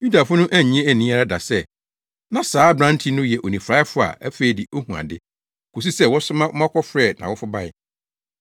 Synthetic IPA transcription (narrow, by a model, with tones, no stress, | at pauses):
ju˦da˨fʊ˦nʊ̃˦ʔæ˦ɲ˨ɲ˦ɛ̃˦æ˨nĩ˦a˦a˦da˨sɛ˦ | nã˨saː˨˦bɾã˦n˦tʰi˦nʊ̃˦jɛ˨ʔo˨nĩ˨fɾa˦ɪ˦fʊ˦a̰˨æ˦fe˨i˨dɪ˨ʔo˦hũ˨ã̰˨dɪ˦ | kʰo˨s̬u˦sɛ˦wɔ˦sʊ˦mã˦ʊ˦mã˦kʰʷɔ˦fɾɛ˦˨nã̰˨wɔ˦fʊ˦ba˦˨jɪ˨